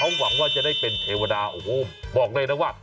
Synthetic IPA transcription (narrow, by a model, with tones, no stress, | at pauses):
kʰa˦˥wːa˩˦ŋwaː˥˩t͡ɕa˨˩da˥˩jpe˧nt̪ʰeː˧wa˧daː˧ʔo̰ː˧˩ho˦˥˩bɔː˨˩k̚lɤː˧jnaː˦˥waː˥˩